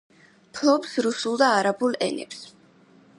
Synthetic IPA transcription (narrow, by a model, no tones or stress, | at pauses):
pʰlˠɔpsɾusulˠd̪aːɾabulˠɛ̰nɛ̰ps